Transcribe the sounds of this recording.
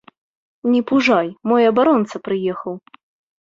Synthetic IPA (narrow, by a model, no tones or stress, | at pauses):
nʲɛpuʐajmɔjɐbaɾɔnt̪sɐpɾɨjɛxɐw